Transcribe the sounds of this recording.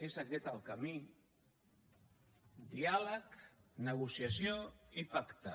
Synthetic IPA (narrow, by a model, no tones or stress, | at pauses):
ezaket̪alˠkami | d̪ialəknəɣ̞usjasjoipakt̪ə